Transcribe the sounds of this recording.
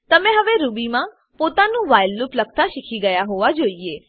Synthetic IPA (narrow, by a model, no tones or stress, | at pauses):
t̪ɐmɛ̃ɦɐʋeɾuːbimãː | poːt̪anũːʋaːɪlːʊplək̚t̪aʃɪkʰiɡəjaɦoːʋad͡ʒoːieː